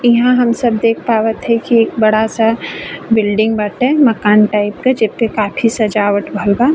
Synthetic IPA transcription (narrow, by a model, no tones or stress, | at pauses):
ɪɦãɦɐmsɐbd̪eːk̚ʰpaːʋət̪ɦɛkieːk̚bɐɽasabɪlɖɪ̃ŋɡbəʈɦɛmɐkaːnʈaːɪpkad͡ʒepːekaːpʰisɐd͡ʒaːʋəʈbʱəlɡaː